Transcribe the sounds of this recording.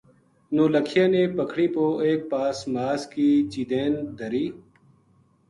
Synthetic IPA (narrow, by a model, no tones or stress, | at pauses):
noːləkʰjãːneːpəkʰɽiːpoːeːk̚paːsmaːskiːt͡ʃiːd̪eːnd̪əɾiː